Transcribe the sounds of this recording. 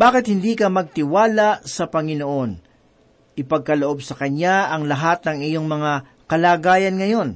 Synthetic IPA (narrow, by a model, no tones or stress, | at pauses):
b̥aːkɪt̪̚hɪnd̪iːkɐmɐɡ̚t̪ɪwaːlasɐpɐŋɪnoʔo̞n | ʔɪpɐɡ̚kɐloʔo̞bsɐkɐɲaɐŋlɐɦat̪̚nɐŋɪjo̞ŋmɐŋa | kɐlaːɡaːjɐnŋɐjo̞n